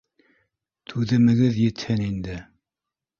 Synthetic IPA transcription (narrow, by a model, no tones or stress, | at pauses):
t̪ʰʉðɘ̆mɘ̆ɡɘðjɘ̆t̪hɘnind̪ɘ